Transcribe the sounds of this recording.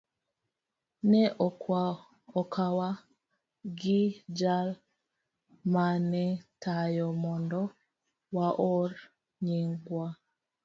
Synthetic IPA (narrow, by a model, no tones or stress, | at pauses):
nɛʔ | ɔkʰawa | ɡid͡ʒal | manɛtajɔmɔndɔ | waʔɔɾ | ɲiŋɡwa